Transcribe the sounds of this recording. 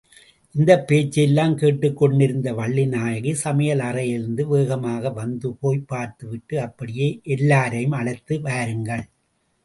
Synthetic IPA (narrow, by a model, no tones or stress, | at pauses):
ʔɪnd̪ɐpːeːt͡ʃːɛlːaːmkeːʈːɯkːɔɳɖɪɾɯnd̪ɐʋɐɭːɪnaːjɐɣisɐmɐjɐlɐrɐjɪɾɯnd̪ɯʋeːɣɐmaːɣɐʋɐnd̪ɯpoːjpːaːɾt̪ɯʋɪʈːɯɐpːɐɽɪjeːʔɛlːaːɾɐjɯmɐɭɐt̪ːɯʋaːɾɯŋɡɐɭ